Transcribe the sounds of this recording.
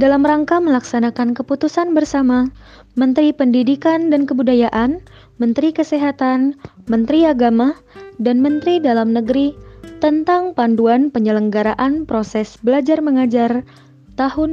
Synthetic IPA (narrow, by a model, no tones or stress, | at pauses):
dalamraŋkaməlaksanakankəput̪usanbərsama | mənt̪ɾipəndidikandankəbudajaʔan | mənt̪ɾikəseɦat̪anmənt̪ɾiaɡamadanmənt̪ɾidalamnəɡɾit̪ənt̪aŋpanduanpəɲələŋɡaɾaʔanpɾosɛsbəlad͡ʒarməŋad͡ʒar | t̪aɦʊn